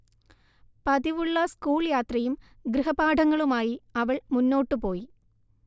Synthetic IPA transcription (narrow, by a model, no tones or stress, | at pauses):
pɐd̪iʋuɭːɐskuːɭjaːt̪rɐjum | ɡɾɨɦɐbaːɖʱɐŋːɐɭumaːjiɐʋɐɭmunːo̞ːʈːɨpo̞ːji